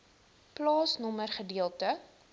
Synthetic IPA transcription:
plɑːsnɔmərχədiəlˠtə

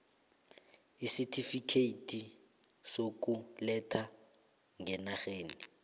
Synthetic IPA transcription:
isitʰifikʰeitʼi | sok̬ʼulɛtʰa | ŋɛnaxeːni

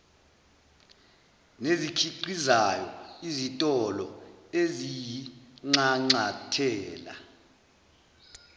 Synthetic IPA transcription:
nezikʰiǀizajɔ̰izitʼɔlɔezijiŋ͡ǀaŋ͡ǀatʰɛːla̰

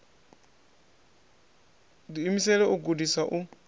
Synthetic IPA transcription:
diːmisɛlɛʔuɡudisaʔu

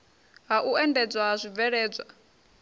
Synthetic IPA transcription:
ɦaʔuɛndɛd͡zʷwazʷib̪vɛɺɛːd͡zʷwa

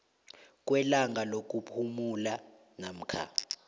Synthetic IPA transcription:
k̬ʼwɛlaŋɡʱalok̬ʼupʰumula | nam̩kʰa̰ː

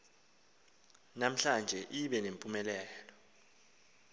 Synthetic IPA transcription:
nam̩ɬand͡ʒʱɛʔiɓɛnempʼumɛlɛːlɔ

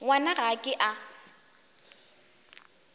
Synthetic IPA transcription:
wanaɣakʼɪʔa

